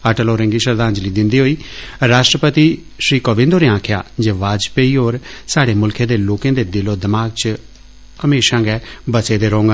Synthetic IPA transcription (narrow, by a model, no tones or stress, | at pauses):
əʈəloːɾə̃ŋɡiːʃəɾd̪aːɲd͡ʒliːd̪ɪnd̪iːɦoːiːɾaːʃʈɾəpət̪iː | ʃɾiːkoːbɪ̃nd̪oːɾeːãːkʰja̰ːd͡ʒeːʋaːd͡ʒpeiːɦoːɾsaːɽeːmʊlkʰẽːd̪eːloːkẽːd̪eːd̪ɪloːd̪ɪmaːɡ̚t͡ʃ | əmeːʃãːɡɛːbəseːd̪eːɾõːŋɡa